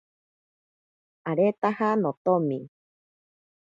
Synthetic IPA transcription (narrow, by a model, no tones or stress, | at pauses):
aɾet̪ahanõt̪omĩ